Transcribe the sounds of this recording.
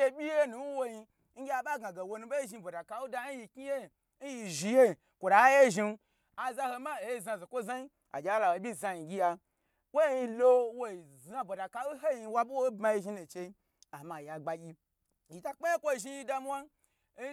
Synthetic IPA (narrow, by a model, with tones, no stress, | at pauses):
e˧ɓʲi˦je˦nu˨n˦wo˦ji˧ | ŋ̩˦ɡʲja˨ba˦ɡa˨ɡe˨wo˧nu˧˦be˦i˦ʒi˧bo˨da˨ka˨wu˦da˧˦n˦ji˧kʲi˦je˦˨˦ | n̩˦ji˧ʒi˧je˦˨ | kʷo˨da˨a˦je˦ʒi˧n˦ | a˨za˧ho˧ma˦e˨ji˧za˧ze˨kʷo˦za˦ji˦ | a̰˨d͡ʒʲa˨˦la˨wo˨˦bʲi˦˨za˧ji˨ɡʲi˦ja˧ | wo˦i˧lo˦wo˦i˨ | za˧bo˨da˨ka˧wu˦ɦe˦i˧wa˦bu˦wo˦bma˧ji˧ʒi˧˦nu˨t͡ʃe˧i˦ | a˨ma˨a˨ɡ͡ba˨ɡʲi˦ | ji˨ta˦k͡pe˦je˦kʷo˦˨ʒi˧ji˧da˧m˦wa˦